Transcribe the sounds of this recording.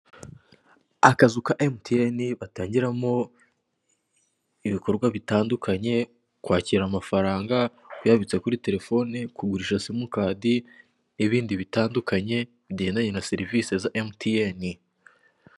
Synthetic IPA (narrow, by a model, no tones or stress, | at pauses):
akazukaʔemtieniβataːɲɟiɾamo̞ | iβiko̞ɾɡwaβitaːndukʰaɲe̞ | kwaːciɾamafaɾaːŋɡa | wujaβit͡se̞kuɾite̞ɾe̞fo̞nikuɡuɾiʃasimukaːdi | niβiːndiβitaːndukaɲe̞ | βiɟe̞ːndaɲe̞nase̞ɾivise̞zaʔemtʰieni